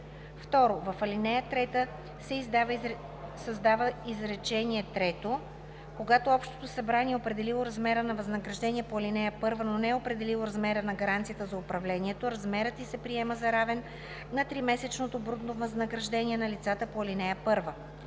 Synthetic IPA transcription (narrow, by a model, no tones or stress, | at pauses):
ft̪ɔɾovɐfɐlinɛjət̪ɾɛt̪ə | sɛizd̪v | sɐzd̪avəizɾɛt͡ʃɛniɛt̪ɾɛt̪o | koɡat̪oɔpʃt̪o̥t̪osɐbɾaniɛopɾɛd̪ɛlilˠoɾɐzmɛɾənɐvɐznɐɡɾɐʒd̪ɛniɛpoɐlinɛjəpɤɾvənonɛɛopɾɛd̪ɛlilˠoɾɐzmɛɾənɐɡɐɾant̪siət̪əzɐʊpɾɐvlɛniɛt̪oɾɐzmɛɾət̪isɛpɾiɛməzɐɾavɛn | nːɐt̪ɾimɛsɛt͡ʃnot̪obɾud̪novəznəɡɾɐʒd̪ɛniɛnɐlit̪sat̪əpoɐlinɛjəpɤɾvə